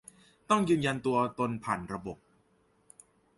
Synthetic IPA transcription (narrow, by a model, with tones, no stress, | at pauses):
t̪ɔ˥˩ŋjɯː˧nja˧nt̪u˧ɐt̪o˧npʰaː˨˩nɾa˧bo˨˩p̚